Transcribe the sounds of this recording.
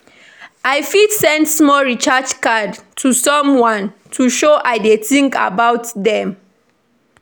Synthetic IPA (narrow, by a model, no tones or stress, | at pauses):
ʔajfidsɛ̃ndsmɔlɹit͡ʃat͡ʃkadtʰusɔ̃mwãntʰuʃoʔajdeθĩŋka̰bawtdɛ̃m